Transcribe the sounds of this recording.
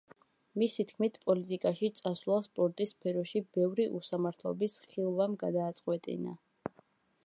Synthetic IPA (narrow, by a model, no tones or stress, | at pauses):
misit̪ʰkʰmit̪ʰpʼɔlit̪ʼikʼaʃit̪sʼaslˠaspʼɔɾt̪ʼispʰɛɾɔʃibɛvɾiʔusamaɾt̪ʰlˠɔ̰bisχilˠvamɡad̪aːt̪sʼqʼwɛt̪ʼḭna̰